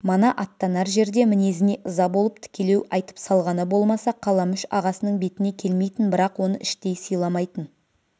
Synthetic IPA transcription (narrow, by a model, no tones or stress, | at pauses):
mənɑʔɑt̪ːɑnɑɾʒe̞ɾd̪e̞mɪne̞zɪne̞ʔʊzɑbo̞lˠəp̚t̪ʰɪ̥kʲe̞le̞wɑjt̪ə̥psɑlˠʁɑnəbo̞lˠmɑsɑqʰɑlˠɑmʏʃɑʁɑsənəɴbe̞t̪ɪne̞kʲʰe̞lme̞jt̪ɪnbɪɾɑqwo̞nə̰ʔɪʃt̪e̞jsijlˠɑmɑjt̪ən